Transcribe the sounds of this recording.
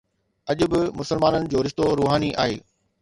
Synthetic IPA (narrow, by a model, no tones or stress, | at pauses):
ɐʄʊ̆bɪmʊsəlmaːnənɪ̆d͡ʑoːɾɪʃt̪oɾuːɦaːniʔa̰ːɦḛː